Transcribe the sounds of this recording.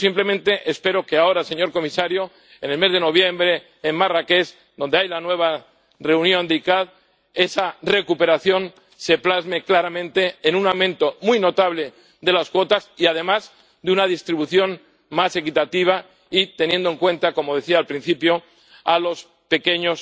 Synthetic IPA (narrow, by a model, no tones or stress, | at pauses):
simple̞mẽnt̪e̞ʔespe̞ɾo̞ke̞ao̞ɾase̞ɲo̞ɾko̞misaɾjo̞ | enelme̞zð̞e̞no̞β̞je̞mbɾe̞ː | nmarake̞s | d̪o̞nd̪e̞ajlanwe̞β̞a | re̞unjõ̞nd̪ikað | e̞sare̞kupe̞ɾaθjo̞n | se̞plazme̞klaɾamẽnt̪e̞ːnũnawmẽnt̪o̞mujno̞t̪aβle̞ | d̪e̞laskwo̞t̪asiað̞e̞maz | d̪unað̞ist̪ɾiβuθjo̞n | mase̞kit̪at̪iβ̞a | it̪e̞nje̞nd̪oe̞ŋkwe̞nt̪ako̞mo̞ðe̞θiaːlpɾin̟θipjo̞ | alo̞s | pe̞keɲo̞s